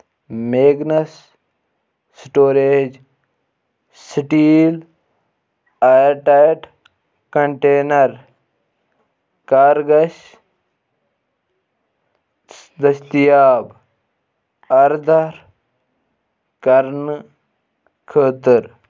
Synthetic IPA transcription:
meːɡnɐs | ʈoːɾeːd͡ʒ | sʈiːl | ajɾʈajʈ | kɐɳʈeːnɐɾ | kaːɾɡɐʃ | d̪ɐst̪ijaːb | ɐɾd̪ʱɐɾ | kɐɾn | kʰəːt̪əɾ

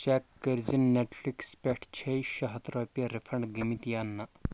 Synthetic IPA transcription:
t͡ʃɛkːəɾzinːeʈʰflikspeʈʰt͡ʃʰejʃɐɦɐt̪ɾoːpijɐɾefʰɐɳɖɡimit̪janːɐ

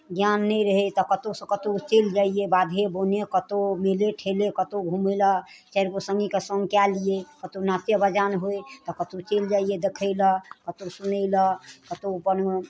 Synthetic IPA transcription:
ɡjanːɛjɾəɦɛt̪ɔkət̪osə̃kət̪ot͡ʃeld͡ʒaiebad̪ʱebonekət̪omeleʈʰelekət̪oɡʱuməjlə | t͡ʃaɾkosə̃ŋɡikesə̃ŋɡkɛlijekət̪onat̪jəbəd͡ʒanɦojt̪ɔkət̪ot͡ʃeld͡ʒaijed̪ekʰəɪləkət̪osunəɪləkət̪opən

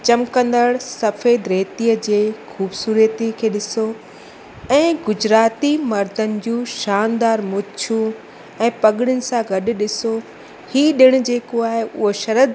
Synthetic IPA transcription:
t͡ɕɐmkə̃nd̪əɽsɐfeːd̪ɾeːt̪iːəd͡ʑeːxʰuːbsuːɾət̪ikʰeːɗɪso | ɛ̃ːɡʊd͡ʑɾaːt̪imɐɾd̪ənɪ̆d͡ʑũːʃaːnd̪aːɾmʊt͡ɕʰũ | ɛ̃ːpɐɠɪɽ̃ɪʊnɪ̆sãɡʱɐɗ̆ɗɪso | hiːɗɪɽ̃ʊ̆d͡ʑeːkoaːɦeʊ̰ɦoʃɐɾəd̪

